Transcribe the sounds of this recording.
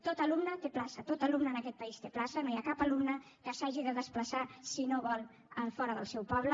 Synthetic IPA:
t̪ot̪əlumnət̪eplasət̪ot̪əlumnəːnəkɛt̪̚pəist̪eplasənojakapəlumnə | kəsaʒiðəðəspləsasinoβɔlˠ | əlfɔɾəðə̰lˠsɛwpɔβlə

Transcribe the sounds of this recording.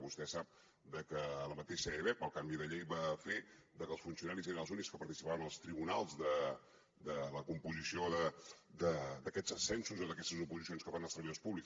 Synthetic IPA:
βust̪ɛsap̚ | d̪əkəːləmət̪eʃəeβɛpəlˠkambiðəʎejβafed̪əkəlˠsfunsiunaɾizeɾənəlˠzunikskəpəɾt̪isi̥paβənəlˠst̪ɾiβunalˠzðə | d̪ələkumpuzisioðəd̪əd̪əkɛzəsɛnsuzoðəkɛst̪əzupuzisionskəβanəsəɾβiðospuβliks

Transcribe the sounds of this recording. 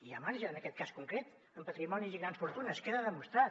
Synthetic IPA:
iəmaɾʒəəːnəkɛt̪̚kaskuŋkɾet̪ | əmpət̪ɾimɔniziɣɾansfuɾt̪unəskeðəðəmust̪ɾa

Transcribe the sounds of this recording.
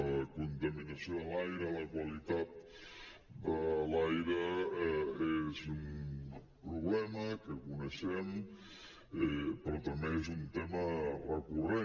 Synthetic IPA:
əkunt̪əminəsioðəlajɾələkwəlit̪at̪̚ | d̪əlajɾə | ezum | pɾuβlɛməkəkunəʃɛm | pɾɔt̪əmbeezunt̪emərəkure

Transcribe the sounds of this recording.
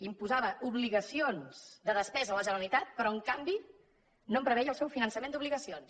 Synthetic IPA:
impuzaβəʔuβliɣəsionz̥d̪əðəspɛzəːləʒənəɾəlit̪at̪̚pəɾɔəŋkambi | nompɾəβɛjəlˠsɛwfinənsəmend̪uβliɣəsions

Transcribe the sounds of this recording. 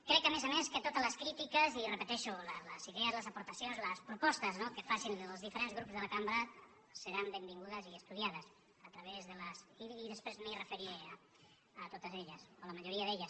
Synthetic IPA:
kɾɛkəmezameskət̪ot̪ələskɾit̪ikəzirəpət̪ɛʃulələziðeəzləzɐpuɾt̪ɐsionzləspɾupɔst̪əznokəfasinəlˠzðifəɾenzɣɾupzðəlɐkambɾə | səɾambembiŋɡuðəziəst̪uðiaðəs | ət̪ɾəβezðələsiiðəspɾezmirəfəɾie | ət̪ot̪əzeʎəsoləmaʒuɾiəðeʎəs

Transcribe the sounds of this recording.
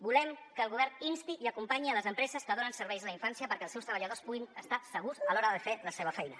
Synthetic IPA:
bulɛmkəlˠɣuβ̞ɛrninst̪iiəkumpaɲiələzəmpɾɛzəskəðonənsəɾβɛjzələiɱfansiəpəɾkɛəlˠsɛwst̪ɾəβəʎəð̞ospuɣinəst̪asəɣuzəlɔɾəðəfeləseβ̞əfɛjnə̰

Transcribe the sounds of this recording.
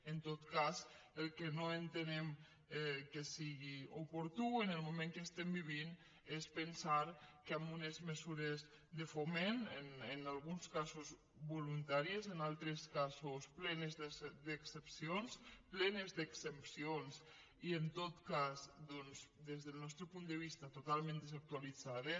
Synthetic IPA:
ent̪ot̪kaz | əlˠkenoent̪enem | kesiɣiupuɾt̪uenəlˠmumẽŋkest̪embiβ̞in | espənsaɾkambunezmezuɾez | ðefomenenenalˠɣunskazuz | βolunt̪aɾiezenalˠt̪ɾeskazusplɛnezd̪eksepsionsplɛnezd̪eksepsions | ient̪ot̪kazd̪ɔnzd̪ezðelˠnɔst̪ɾepund̪əβ̞ist̪at̪ot̪alˠmẽnd̪əzak̚t̪ualid͡zaðe

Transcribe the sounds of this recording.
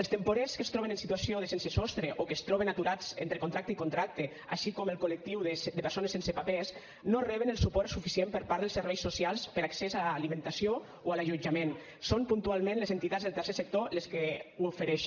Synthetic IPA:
elˠst̪empoɾeskəst̪ɾɔβenənsit̪uasioðəsensesɔst̪ɾeʔokest̪ɾɔβenat̪uɾad͡zḛnt̪ɾekont̪ɾak̚t̪əikunt̪ɾak̚t̪e | a̰ʃikɔməlˠkolək̚t̪iwðed̪əpəɾsonesensepapes | norɛβənəlˠsupɔɾt̪sufisiempəɾpaɾðəlˠsəɾβɛjsosialˠspəɾaksɛzaːlimẽnt̪asio | oalaʒud͡ʒamen | sompunt̪ualˠmẽnlezent̪it̪ad͡zzðelˠt̪ərsesek̚t̪oleskewofeɾɛʃ

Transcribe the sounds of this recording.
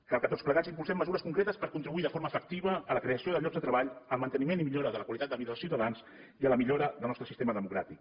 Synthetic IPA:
kalˠkət̪ott͡sspləɣazimpulsɛmːəzuɾəskuŋkɾet̪əspəɾkunt̪ɾiβuiðəfoɾməːfək̚t̪iβ̞əːləkɾeəsioðəʎɔɡzət̪ɾəβaʎəlˠmənt̪ənimenimiʎoɾəðələkwalit̪at̪əβiðəðəlsiwt̪aəðans | iələmiʎoɾəðəlˠnɔst̪ɾəsist̪eməðəmukɾat̪ik

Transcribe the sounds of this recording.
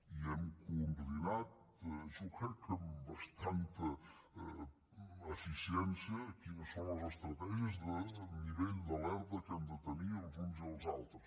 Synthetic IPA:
iɛmkumbðinat̪̚suxɛkəmbəst̪ant̪ə | əfisiɛnsiəkinəsonləzəst̪ɾət̪ɛʒiəzðəniβeʎd̪əlɛɾðəkand̪ət̪əniəlˠzunziəlˠzalˠt̪ɾəs

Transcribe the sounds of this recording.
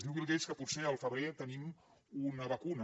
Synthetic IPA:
ðiwβilˠɡeskəput̪seəlˠfəβɾet̪ənim | unəβəkunə

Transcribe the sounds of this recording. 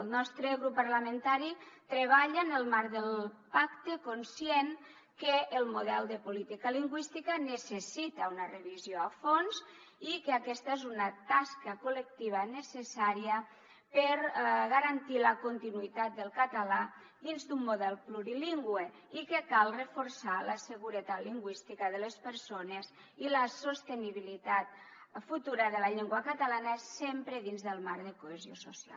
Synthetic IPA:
lˠnɔst̪ɾeɣɾupːaɾlament̪aɾit̪ɾeβ̞aʎanəlˠmaɾðəlˠpakt̪ekonsjeŋ | keːlˠmuðɛlˠd̪əpulit̪ikaliŋɡwist̪ikanəsesit̪aunarəβizjoafons | ikeakɛst̪aezunat̪askəkulek̚t̪iβ̞anesesaɾiə | pəɾɣaɾant̪iləkont̪inuit̪at̪̚d̪əlˠkat̪ala | d̪inzd̪umːuðɛlˠpluɾiliŋɡwe | ikekalˠrəfuɾsaləsəɣuɾət̪at̪liŋɡwist̪ikəðəlespəɾsonez | iləsost̪eniβ̞ilit̪at̪fut̪uɾəðəlaʎɛŋɡwakat̪alanəsempɾeðinzðəlˠmaɾðəkoezjo̰sosia̰l

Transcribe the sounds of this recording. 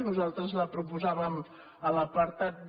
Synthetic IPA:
nuzalˠt̪ɾəzləpɾupuzaβəm | ələpəɾt̪at̪̚

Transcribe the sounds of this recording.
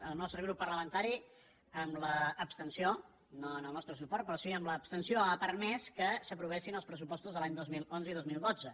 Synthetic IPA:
əlˠnɔst̪ɾəɣɾupːərləmənt̪aɾi | əmləːpst̪ənsio | noənəlˠnɔst̪ɾəsupɔɾrt̪̚pɾɔsiəmləːpst̪ənsioapəɾmeskəsəpɾuβɛsinəlˠspɾəs̬upɔst̪uzðəlaɲd̪ozmilˠonzəiðozmilˠd̪od͡zə

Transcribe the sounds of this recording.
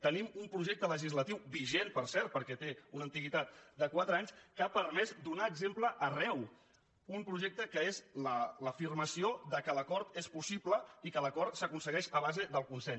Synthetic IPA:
t̪ənimumpɾuʒɛk̚t̪ələʒizlət̪iwbiʒenpəɾsɛɾt̪̚pəɾkɛt̪eunənt̪iɣit̪at̪̚d̪əkwat̪ɾəaɲskapəɾmɛzd̪unaəɡzempləʔərɛw | umpɾuʒɛk̚t̪əkəezlələfirməsioðəkələkɔɾt̪espusipləikələkɔɾt̪səkunsəɣɛʃəβ̞azəðəlˠkunsɛʎs

